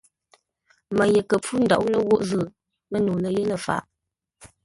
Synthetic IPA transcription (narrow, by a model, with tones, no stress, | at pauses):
mə˨jə˨kə˨p͡fu˦n̩˨da̰˨ʔwlə˦wo˦ʔzə˦˨ | mə˦nuː˨lə˨jə˦lə˨fa̰˨ʔ